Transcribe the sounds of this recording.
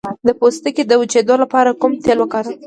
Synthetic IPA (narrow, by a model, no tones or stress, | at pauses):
d̪əpost̪əked̪əwut͡ʃed̪olapɑɾakumt̪elwəkɑɾ